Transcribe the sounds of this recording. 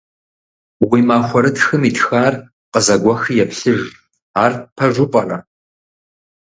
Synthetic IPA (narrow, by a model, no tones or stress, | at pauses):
wiːmaːχʷɔɾɨtxɨmiːtxaːr | qəzɐɡʷɔxijɛpɬɨʒ | aːrpʰɐʒʷʊpʼɐrɐ